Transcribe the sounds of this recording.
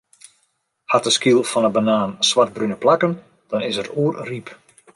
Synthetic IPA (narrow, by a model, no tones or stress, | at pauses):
hatəskilˠfɔnəbanaːnsʋart̚brynəplakən | d̥ɔnɪsəɾuːərrip